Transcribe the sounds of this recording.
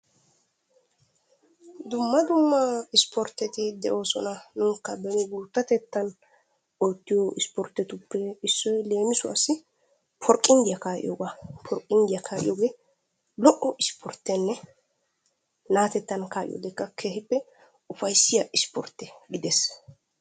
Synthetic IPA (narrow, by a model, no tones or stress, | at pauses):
d̪ʊmːɐd̪ʊmːɐɪspʰɔɾt̪ːɛt̪ɪd̪ɛʔo̞ːsɔnɐnʊŋkːɐbɛnɪɡuːt̪ːɐt̪ɛt̪ːɐn | ɔjt̪ːɪjɔʔɪspɔɾt̪ːɛt̪ʊpːɛɪsːɔjle̞ːmɪsʊɐsɪ | pʰɔɾkʼːɪnd̪ɪjɐkaːʔɪ̰jɔɡapʰɔɾkʼːɪnd̪ɪjɐkʰaːʔɪ̰joːɡe | lɔʔɔʔɪspʰɔɾt̪ːɛnːɛ | naːt̪ɛt̪ːɐnkaːʔɪ̰jɔ̰ːɡɛkːɐkʰeːhɪpːɛ | ʊfɐjsːɪjɐʔɪspɔ̰ɾt̪ːɛɡɪd̪ɛs